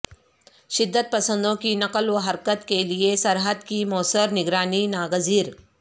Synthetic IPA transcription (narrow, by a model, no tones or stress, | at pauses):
ʃɪd̪ʱːət̪̚pɐsə̃nd̪õkinɐkəlʋɐɦɐɾkət̪keliesɐɾɦəd̪kimɔːsəɾnɪɡɾaːninaːɡəziːɾ